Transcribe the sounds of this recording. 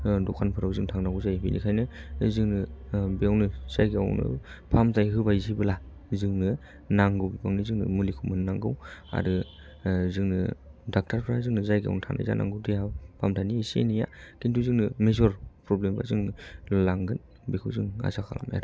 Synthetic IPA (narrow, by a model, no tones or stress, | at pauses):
dɔkʰanpʰɯɾawzɯŋtʰaŋnaɡuwzajbḭnḭkʰajnɯzɯŋnɯbijawnɯz̥ajɡia̰wnɯ̰pʰamzajɦɯbajzibɯla | zɯŋnɯ | naŋɡɯwbibaŋnizɯŋnɯ̰mulikʰumɯnnaŋɡɯwa̰ɾɯ | zɯŋnɯ̰dak̚tʰaɾpʰɾazɯŋnɯzajɡa̰wnɯtʰaŋna̰jza̰nʔa̰ŋɡɯwtijhawpʰamtʰaniːsḛnija̰kintʰuzɯŋnɯmezɔɾpɾɔblemba̰zɯŋnɯlaŋɡɯn | bikʰɯwzɯŋa̰sʰakʰa̰la̰ma̰ɾɯ